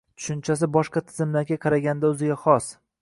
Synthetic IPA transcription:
t̪ʰʊ̥ʃɪnt͡ʃʰas̬ɪbɒʃqɑt̪ʰɪ̥zɪmlaɾɡʲaqʰɑɾaɡʲand̪aɵzɪɡʲaχɒs

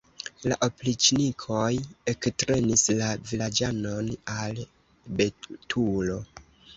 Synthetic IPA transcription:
la̰ʔoplit͡ʃnikʰo̞jektɾe̞nislavilad͡ʒano̞nal | betʰulo̞

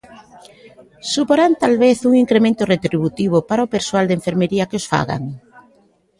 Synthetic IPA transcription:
supoɾant̪alβeθuŋiŋkɾemẽnt̪ʊret̪ɾiβut̪iβ̞ʊpaɾaopeɾsoald̪eɱfeɾmeɾiɐkeosfa̰ɣa̰ŋ

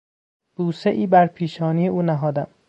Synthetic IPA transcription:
b̥uːseʔiːbæɾpʰiːʃɒːniːjeʔuːnæɦɒːd̪æm

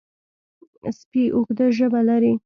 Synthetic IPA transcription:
spiʔoxd̪əʒəbalaɾi

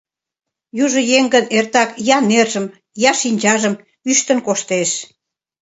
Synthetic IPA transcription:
juʒə̆jeŋɡənert̪ɑkjɑnerʒəm | jɑʃinʲd͡ʑɑʒəm | yʃt̪ənkoʃt̪eʃ

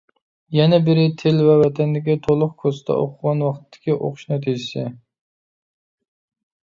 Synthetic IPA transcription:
jɛnɛbɪɾɪt̪ʰelvɛwɛt̪ʰɛnd̪ɪkʲit̪ʰolˠʊqkʰost̪ʰɛ̰ʔo̰qʰʊʁɑnwɑχt̪t̪ʰːɪ̥kʲiʔo̰qʰʊ̥ʃnɛt̪ʰid͡ʒɪsɪ

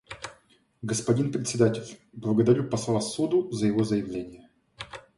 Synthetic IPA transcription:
ɡəspɐdʲinpɾʲɪt̪ʲsʲɪd̪atʲɪlʲblˠəɡəd̪ɐɾʲupɐslˠavasud̪ʊzəjɪvozəjɪvlʲenʲɪjə

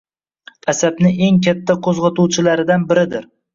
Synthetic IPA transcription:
asabnɪʔe̞ŋkʲʰat̪ʰːaqʰozʁɑt̪ʰuwt͡ʃʰɪlaɾɪd̪anbɪɾɪd̪ɪɾ

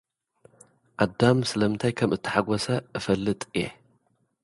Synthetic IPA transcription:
ʔad̪amsɨlɐmɨnt̪ʰajkʰɐmɨt̪ʰːɨ̥ħaɡɔsɐʔɨfɐlːɨt̪ʼɨje

